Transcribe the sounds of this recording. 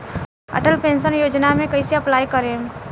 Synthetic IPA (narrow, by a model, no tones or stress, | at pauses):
ɐ̰ʈəlpẽːnsənjoːd͡ʒnamẽkɐiseəplaːjkəɾe